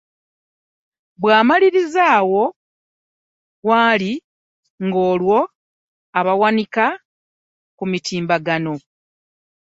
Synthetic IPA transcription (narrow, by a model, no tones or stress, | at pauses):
bwaːmaliɾizaːwo̞ | waːli | ŋɡo̞ːlwo̞ | aβawanika | kumitiːmbaɡano̞